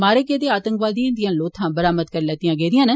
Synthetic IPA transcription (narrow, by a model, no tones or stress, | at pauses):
maːɾeːkeːd̪eːaːt̪ə̃ŋkʋaːd̪ijãːd̪ɪjãːloːt̪ʰãːbəɾaːmət̪kəɾlɛːt̪ɪjãːɡeːd̪ɪjãːnɛː